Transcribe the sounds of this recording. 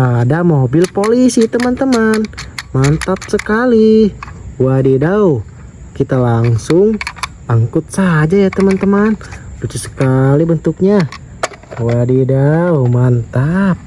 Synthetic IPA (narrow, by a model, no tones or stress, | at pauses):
adamobɪlpolisit̪əmant̪əmanmant̪ap̚səkali | wadidau | kit̪alaŋsʊŋ | aŋkʊt̪̚sad͡ʒajat̪əmant̪əmanput͡ʃusə̥kalibənt̪ʊk̚ɲa | wadidaumant̪ap̚